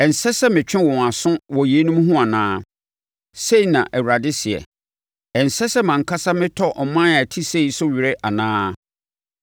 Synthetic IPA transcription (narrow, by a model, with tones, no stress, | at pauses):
ɛ˨n̩˨sɛ˦sɛ˦mɪ̃˨t͡ɕᶣɪ̃˦wɔ̃˨a˨sʊ̃˦wɔ˨ji˨e˦nũ˦m˦ɦũ˦a˨nãː˦ | se˦i˨nã˨ʔɛ˨wɾa˨dɪ˦sɪ˨ɛ̰˨ | ɛ˨n̩˨sɛ˦sɛ˦mã˨ŋ̩˨kʰa˦sa˦mɪ̃˦tʰɔ˦ʔɔ˨mã˦a˨tʰi˦se˦˨i˨sʊ˦ɥi˨ɾɪ˦ʔa˨nãː˦